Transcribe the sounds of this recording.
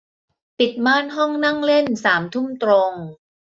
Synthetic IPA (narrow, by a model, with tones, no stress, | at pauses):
pi˨˩t̪̚maː˥˩nɦɔ˥˩ŋna˥˩ŋle˥˩nsaː˩˦mt̪ʰu˥˩mt̪ɾo˧ŋ